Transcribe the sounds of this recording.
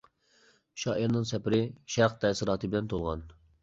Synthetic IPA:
ʃɑːʔiɾnɨŋsɛpɪɾɪʃæɾqt̪ʰɛsɨɾɑːt̪ʰɨbɪlɛnt̪ʰolˠʁɑ̰n

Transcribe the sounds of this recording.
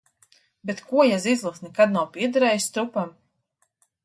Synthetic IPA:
bet̪kuɔjazizlˠuksnʲikad̪nawpʲiɛd̪aɾɛːjist̪ɾupam

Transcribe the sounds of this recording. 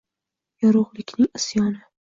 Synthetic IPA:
jɒɾʊʁlˠɪkʲnɪŋɪsjɒnɪ

